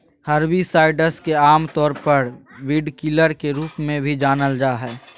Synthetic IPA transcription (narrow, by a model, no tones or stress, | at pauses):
həɾbisaːɪɖəskeaːmt̪ɔːɾpəɾwɪɖkɪləɾkeɾuːpmẽbʱid͡ʒaːnəld͡ʒaːɦɛː